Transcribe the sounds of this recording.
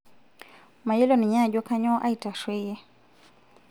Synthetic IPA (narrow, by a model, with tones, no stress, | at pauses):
ma˨je˦lo˦˨nɪ˨ɲa˦˨d͡ʒo˦ka˦ɲɔ˦ʔa˦i˨ta˨ʃwe˦je˦